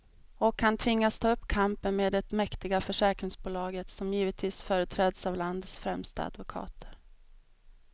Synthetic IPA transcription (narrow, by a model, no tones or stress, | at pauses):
ɔkʰːant̪ʰvɪŋːast̪ʰɑːɵpːkʰampənmeːd̪ɛt̪mɛkt̪ɪɡafœʂɛːkɾɪŋsbuːlɑːɡət̪sɔmjiːvət̪ʰviːsfœːɾət̪ʰɾɛːd̪savland̪ət̪sfɾɛmst̪a̰a̰d̪vʊkʰɑ̰ːt̪ʰə̥ɾ